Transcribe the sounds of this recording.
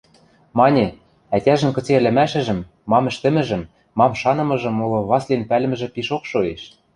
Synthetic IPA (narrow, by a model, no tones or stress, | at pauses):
mɑnʲe | ætʲæʒɘ̆nkɤ̆t͡seɘ̆lɘ̆mæʃɘ̆ʒɘ̆mː | ɑmɘ̆ʃt̪ɘ̆mɘ̆ʒɘ̆mː | ɑmʃɑnɤ̆mɤ̆ʒɤ̆molɤ̆βɑslenpælɘ̆mɘ̆ʒɘ̆piʃokʃoeʃ